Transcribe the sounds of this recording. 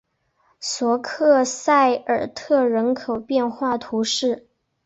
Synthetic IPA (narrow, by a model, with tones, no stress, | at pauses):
swɔ˧˥kʰɤ˥˧sa˥˩ɪə˞˨˩t̪ʰɤ˥˩ɻə˧˥nkʰo˨˩ʊpjɛ˥˧nxwa˥˩t̪ʰu˧˥ʂɻ̩˥˩